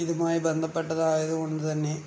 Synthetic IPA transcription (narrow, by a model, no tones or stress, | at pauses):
iðumaːjibe̞nd̪ʱɐpːe̞ʈːɐðaːjɐðɨko̞ɳɖɨt̪ɐnːe̞